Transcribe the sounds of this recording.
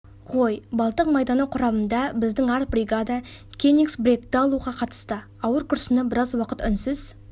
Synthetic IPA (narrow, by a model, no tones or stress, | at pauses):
ʁojbɑlˠt̪əqmɑjd̪ɑnɑwqʰʊɾɑmənd̪ɑbɪzd̪ɪŋɑɾt̪̚brʲijɡad̪akʲʰeniksbɾʲe̞k̚t̪ːɪɑlˠuʁɑqʰɑt̪ə̥st̪ə | ɑwəɾkʰʊɾsɪnɑbɪɾɑzwɑqət̪ʏnsɪz̥